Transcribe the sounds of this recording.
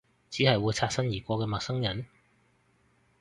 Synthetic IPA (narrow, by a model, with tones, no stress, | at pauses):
t͡siː˨˥ɦɐ˨jwu˨˧jt͡sʰaː˧t̚sɐ˥njiː˨˩kʷɔː˧kɛː˧mɐ˨k̚sɐ˥ŋjɐ˨˥n